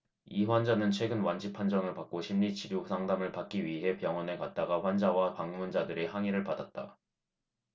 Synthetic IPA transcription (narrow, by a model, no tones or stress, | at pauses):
iɸwand͡ʑanɯnt͡ɕʰwe̞ɡɯnwand͡ʑipʰand͡ʑʌŋɯɭpak̚k͈oɕʰimɲit͡ɕiɾjusʰaŋdamɯɭpak̚k͈iɥiɦe̞pjʌŋwʌne̞kat̚t͈aɡaɸwand͡ʑawapaŋmund͡ʑadɯɾeɦaŋiɾɯɭpadat̚t͈a̰